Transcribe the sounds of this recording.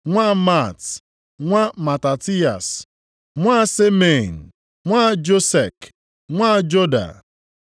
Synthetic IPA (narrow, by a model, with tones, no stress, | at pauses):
ŋʷa˦ma˦˨t | ŋʷa˦ma˨ta˨ti˦a̰˨s | ŋʷa˦se˦me˨n̩˨ | ŋʷa˦d͡ʒo˦se˨k | ŋʷa˦d͡ʒo˦da̰˨